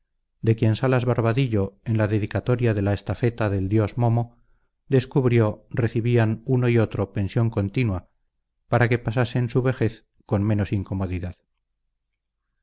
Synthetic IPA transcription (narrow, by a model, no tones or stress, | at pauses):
d̪e̞kje̞nsalazβaɾβaðiʎo̞enlaðe̞ðikat̪o̞ɾjaðe̞laest̪afe̞t̪aðe̞ld̪jo̞zmo̞mo | d̪e̞skuβɾjo̞re̞θiβianuno̞io̞t̪ɾo̞pe̞nsjo̞ŋko̞nt̪inwa | paɾake̞pasase̞nsuβ̞e̞xe̞θ | ko̞nme̞no̞siŋko̞mo̞ðiðað